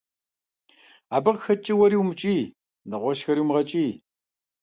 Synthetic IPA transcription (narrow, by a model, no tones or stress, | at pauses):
aːbɐqxɐt͡ʃʼɪwɐɾiwmt͡ʃʼiː | nɐʁʷɔʃxɐɾiwmʁɐt͡ʃʼiː